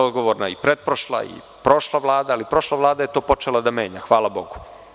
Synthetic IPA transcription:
od̪ɡoʋoɾnaipɾed̪̚pɾoʃlˠa̰ḭ | pɾo̞ʃlˠaʋlˠaːd̪aːlipɾo̞ʃlˠaʋlˠaːd̪aje̞t̪o̞ːpo̞t͡ʃelˠad̪ame̞ːɲaxʋaːlabo̞ɡu̥

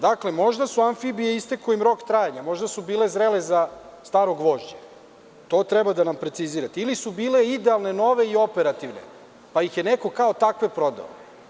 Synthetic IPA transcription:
d̪akle̞mo̞ʒd̪asuaɱfibijeist̪ekoimɾo̞kt̪ɾaːjaɲamo̞ʒd̪asubiːlezɾele̞zast̪aːɾo̞ɡʋo̞ʒd͡ʑe | t̪o̞ːt̪ɾɛbad̪anampɾe̞t̪siziːɾat̪ilisubiːle̞id̪ealˠne̞no̞ʋe̞io̞peɾat̪iʋne̞̰ | paixjeneko̞kaot̪akʋe̞pɾo̞d̪a̰o

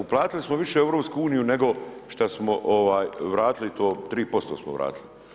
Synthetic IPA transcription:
uplˠaːt̪ilismoʋiʃeeʋɾoːpskuuːnijune̞ɡo̞ʃt̪asmoʔoʋaːjʋɾaːt̪ilit̪o̞ːt̪ɾiːpo̞st̪oːsmo̰ʋɾa̰ːt̪ili

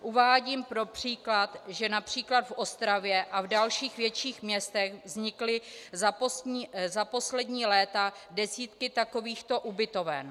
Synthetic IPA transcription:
ʔuvaːɟiːmpɾo̞pr̝̥iːklat̪ʒɛnapr̝̥iːklad̪fʔo̞st̪ɾavjɛʔavdalʃiːxvjɛtt͡ʃiːxmɲɛst̪ɛɣvzɲɪklɪzaposɲiːzapo̞slɛdɲiːlɛːt̪adɛsiːt̪kɪt̪ako̞viːxt̪o̞ʔubɪt̪o̞vɛ̰n

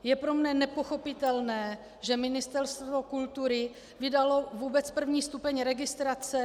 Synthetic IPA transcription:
jɛpɾo̞mnɛnɛpo̞xo̞pɪt̪ɛlnɛː | ʒɛmɪnɪst̪ɛɾst̪vo̞kult̪uɾɪ | vɪdalo̞vuːbɛt͡spr̩vɲiːst̪upɛɲɾɛɡɪst̪ɾat͡sɛ

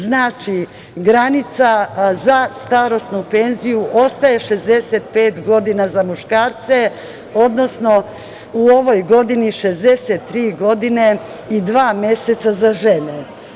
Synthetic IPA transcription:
znaːt͡ʃi | ɡɾanit̪sazast̪aɾo̞snupe̞nzijuʔo̞st̪ajeʃe̞zd̪e̞set̪̚peːt̪ɡo̞d̪inazamuʃkaːɾt̪se̞ | o̞d̪no̞sno̞ | uo̞ʋo̞jɡo̞d̪iniʃe̞zd̪e̞set̪ːɾiːɡo̞d̪ine̞ | id̪ʋaːmje̞set̪sazaʒe̞ne

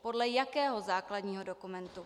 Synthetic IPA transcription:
po̞dlɛjakɛːɦozaːkladɲiːɦo̞dokumɛnt̪u

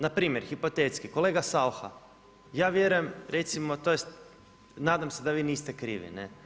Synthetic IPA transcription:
napɾiːmje̞ɾxipo̞t̪et̪skiko̞le̞ːɡasalxa̰ | jaːʋje̞ɾujemɾe̞t̪simo̞t̪ojest̪̚ | naːd̪amse̞d̪aʋiːniːst̪ekɾḭːʋḭnḛ

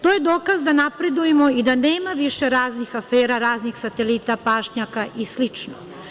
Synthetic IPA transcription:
t̪oːje̞d̪o̞ːkazd̪anapɾe̞d̪ujemo̞id̪aneːmaʋiʃe̞ɾaːznixafeːɾaɾaːznixsat̪elit̪apaːʃɲakaʔislit͡ʃno̰

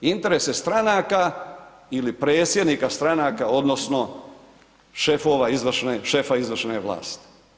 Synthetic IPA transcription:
int̪e̞ɾesest̪ɾanaːka | ilipɾe̞ːt̪sje̞d̪niːkast̪ɾanaːkao̞d̪nosno̞ | ʃefo̞ʋaizʋr̩ʃneʃe̞faizʋr̩ʃneʋla̰ːst̪i̥

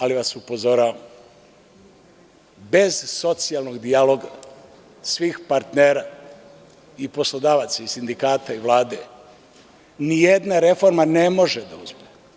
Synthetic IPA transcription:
aliʋasupo̞zo̞ɾaːʋam | be̞zso̞t̪sialˠno̞ɡd̪ialo̞ːɡa | sʋiːxpaɾt̪neːɾa | ipo̞slod̪aːʋat̪saisind̪ikaːt̪aiʋlˠaːd̪e | nijed̪naɾe̞fo̞ɾmanemo̞ʒed̪auzme

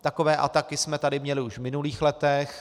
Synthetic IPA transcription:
t̪akovɛːʔa̰t̪akɪsmɛt̪adɪmɲɛlɪuʃvmɪnuliːxlɛt̪ɛx

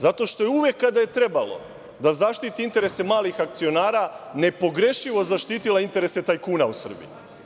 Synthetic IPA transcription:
zat̪o̞ʃt̪o̞je̞uʋje̞kːad̪aje̞t̪ɾe̞balo̞̰ | d̪azaʃt̪it̪iint̪e̞ɾe̞se̞maːlixak̚t̪sio̞naːɾane̞po̞ɡɾe̞ʃiʋo̞zaʃt̪iːt̪ilaint̪e̞ɾe̞se̞t̪ajkuːnausr̩bḭji

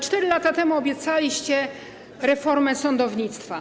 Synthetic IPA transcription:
t͡ʂt̪ɛɾɘlat̪at̪ɛmuɔbʲjɛt̪salʲiɕt͡ɕɛ | ɾɛfɔɾmɛsɔnd̪ɔvɲit̪st̪fa

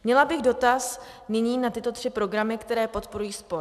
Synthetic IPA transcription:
mɲɛlabɪɣdo̞t̪as | nɪɲiːnat̪ɪt̪o̞t̪r̥ɪpɾo̞ɡɾamɪkt̪ɛɾɛːpo̞t̪po̞ɾujiːspo̞ɾ

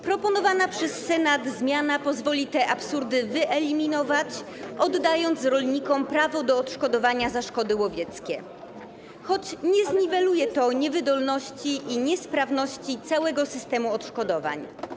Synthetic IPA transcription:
pɾɔpɔnɔvanapʂɛsːɛnad̪zmʲjanapɔzvɔlʲit̪ɛʔapsuɾd̪ɘvɘʔɛlʲimʲinɔvat͡ɕɔd̪ːajɔnt̪sɾɔlɲikɔmpɾavɔd̪ɔːt̪ʂkɔd̪ɔvaɲazaʂkɔd̪ɘwɔvʲjɛt̪skʲɛ̰ | xɔt͡ɕɲɛzɲivɛlujɛt̪ɔɲɛvɘd̪ɔlnɔɕt͡ɕiʔiɲɛspɾavnɔɕt͡ɕit̪sawɛɡɔsɘst̪ɛmuɔt̪ʂkɔd̪ɔva̰ɲ

